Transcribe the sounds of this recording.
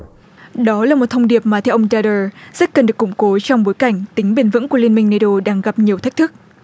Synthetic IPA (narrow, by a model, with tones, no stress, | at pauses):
ɗɔ˨˦laː˨˩mo˨˩t̚t̪ʰə˧wŋ͡mɗi˨˩əp̚maː˨˩t̪ʰɛ˧wʔə˧ŋ͡mzaː˧ɗəː˧˩z̥ə˦˥t̚kə˨˩nɗɨ˨˩əkːʊ˧˩ŋ͡mko˨˦t͡ɕɔ˧wŋ͡mɓo˨˦jka˧˩jŋ̟t̪ï˨˦ŋ̟ɓe˧˩nvɨ̰˧˥nku˧˩əli˧ənmï˧ŋ̟ne˧ɗo˧ɗaː˧ŋɣa˨˩p̚ɲi˨˩əwt̪ʰa˦˥k̚t̪ʰɨ˦˥k̚